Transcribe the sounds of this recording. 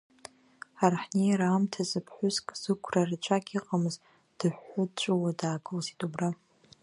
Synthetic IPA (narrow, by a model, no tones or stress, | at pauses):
arħnejɾaːmtʰazɨpʰħʷʊzkʼz̥ɨkʷʰrarɨt͡ʃʷʰakʲʰʼiqʼamɨz | d̥ɨħːʊt͡ʃʷʼuwadaːɡʼɨlzitʼubra